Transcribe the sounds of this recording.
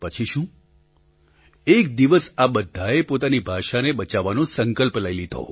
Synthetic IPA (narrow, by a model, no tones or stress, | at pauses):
pət͡ʃʰiʃũ | ek̚d̪iʋəsabəd̪ʱːaepot̪anibʱaʃaneɓət͡ʃaʋanõsəŋkəlplailid̪ʱo̰